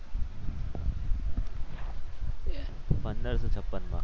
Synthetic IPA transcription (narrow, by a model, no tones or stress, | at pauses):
pənd̪əɾsɔːt͡ɕʰəpːənma̰